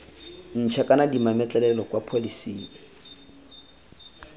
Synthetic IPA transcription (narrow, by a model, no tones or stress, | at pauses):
n̩t͡ʃʰɛkʼanadimamɛt͡ɬʼɛlɛlɔkʼwapʰolisḭːni